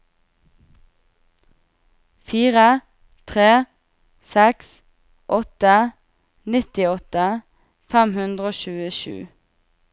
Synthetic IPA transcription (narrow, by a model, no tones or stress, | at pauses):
fiːʁə | t̪ʰʁeː | sɛks | ʔɔt̪ə | nɪt̪ɪɔt̪ə | fɛmhʉnd̪ʁəoːʃʉːəʃʉ̰ː